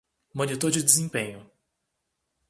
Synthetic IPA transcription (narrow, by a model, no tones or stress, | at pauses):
mõnit̪oɾd͡ʒɪdezẽpẽɲʊ